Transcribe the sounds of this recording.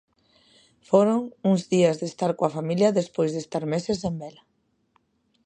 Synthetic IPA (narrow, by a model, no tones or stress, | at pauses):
foɾoŋuŋzðiazðest̪aɾkoafamiljɐðespojzðest̪aɾmeses̬embɛla